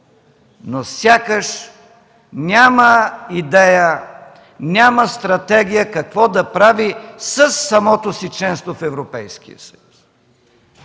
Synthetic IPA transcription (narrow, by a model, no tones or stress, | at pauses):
nosʲjakəʃ | nʲaməid̪ɛjə | nʲaməst̪ɾɐt̪ɛɡʲijəkɐkvɔd̪ɐpɾavisəsːɐmɔt̪osit͡ʃɛnst̪vofɛvɾopɛjskḭjə̰sə̥jus